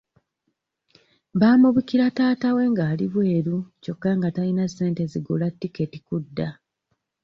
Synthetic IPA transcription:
βaːmuβukiɾataːtawe̞ːŋɡaːliβwe̞ːɾuco̞kːaŋɡatajinasːe̞ːnte̞ziɡulatːike̞tikudːa

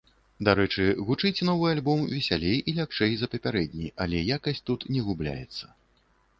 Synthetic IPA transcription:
d̪aɾɛt͡ʂɨɣut͡ʂɨt͡sʲnɔvɨjalʲbɔmvʲɛsʲalʲejʔilʲapt͡ʂɛjzɐpɐpʲaɾɛd̪ʲnʲijalʲɛjakɐsʲtʲt͡sʲt̪ut̪nʲɛɣublʲa̰jɛ̰t̪sːɐ̥

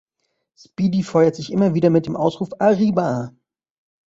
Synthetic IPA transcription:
spiːdifɔʏɐtz̥ɪçʔɪmɐviːdɐmɪt̚d̥eːmʔaʊsʁ̥uːfaʁiːba

